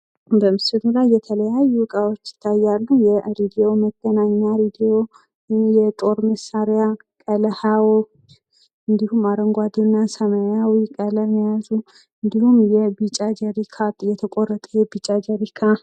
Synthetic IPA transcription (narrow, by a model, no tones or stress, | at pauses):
bəmɨsɨlulajːɛt̪ʰələjajːuwkʼawot͡ʃːjɪ̥t̪ʰːajːalːujɛɾid̪ijo̞məɡ̥ːənaɲːaɾid̪ijo̞ | jɛt̪ʼo̞ɾməsːaɾja | kʼələhawot͡ʃ | ɨnd̪ihumaɾəŋɡʷad̪unːasəməjawikʼələmjazu | ɨnd̪ihumjɛbit͡ʃʼad͡ʒəɾikʰat̪ʼjɛt̪ʰəkʼorːət̪ʼəjɛbit͡ʃʼad͡ʒəɾikʰa